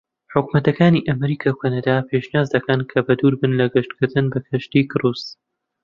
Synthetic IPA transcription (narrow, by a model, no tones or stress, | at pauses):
ħʊkumɐt̪ɐkaːniʔɐmɾiːkʰaːkʷʰanɐd̪apʰeʃniaːzd̪ɐkɐnkʰɐbɐd̪uːɾbɨnlɐɡɨʃt̪kɨɾd̪ɨnbɐkʰɐʃt̪ikɨɾuːs